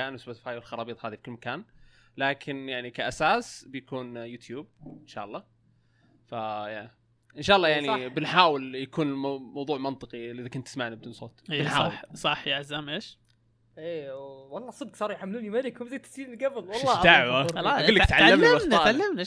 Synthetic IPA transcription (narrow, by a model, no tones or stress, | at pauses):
aːnwsbt̪ɪ̥faːjwɪlxɑɾˤɑːbiːt̪ˤhaːðifi̥kʊlmakaːnlaːkʰɪnjaʕnikaʔasaːsbɪjakuːnjuːt̪juːb̚ɪnʃa̰ːʔɑlˤːɑː | faja | ʔɪnʃaːʔɑlˤːɑːjaʕnibɪnħaːwɪljakuːnɪmɑwðˤuːʕmɑnt̪ˤɨqilʔɪðakʊnt̪ːɪsmaʕnib̚d̪ɪnsˤoːt̪ːħaːɑsˤɑħjaʔzaːmʔeːʃ | ʔeːwɑlˤːɑːsˤɨd̪̚qsˤɑːɾˤjħamːɪluːnimaɾikhʊmzajːt̪ːḁsiːnɪlɡafɪlwɑʃlˤːɑd̪aʕwalɡʊlːakt̪ʕalaːammːmnaʕalːamna